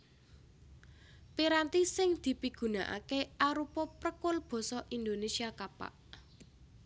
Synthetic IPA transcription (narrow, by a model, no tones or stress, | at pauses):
piɾant̪isɪŋd̪̥i̤piɡ̥ṳnaʔa̰keaɾupɔpɾəkʊlb̥ɔ̤sɔʔind̪onesiakapa̰ʔ